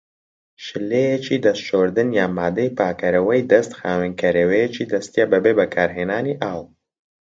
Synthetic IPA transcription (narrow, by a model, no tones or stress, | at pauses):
ʃɨlejet͡ʃiːd̪ɐst̪ʃoɾd̪ɨnjaːmaːd̪ɐjpaːkɐɾɐwɐjd̪ɐst̪xaːwɛnkʰɐɾɐwejet͡ʃid̪ɐst̪ijabɐbebɐkʰaːɾɦeːnaːniʔaːw